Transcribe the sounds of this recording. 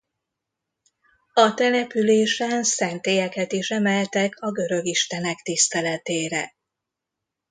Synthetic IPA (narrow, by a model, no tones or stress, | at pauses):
ɒt̪ɛnɛpyleːʃɛnsɛnt̪eːjɛkɛt̪iʃɛmɛlt̪ɛkʰɒɡø̞ɾø̞ɡiʃt̪ɛnɛkt̪ist̪ɛlɛt̪eːɾɛ̰